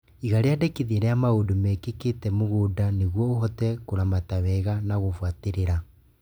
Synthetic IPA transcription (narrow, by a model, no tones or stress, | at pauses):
iɣaɾeadekeðeɾɛamaodomɛkeketɛmoɣoːdaneɣwɔoɦɔtɛkoɾamatawɛɣanaɣofwateɾeɾa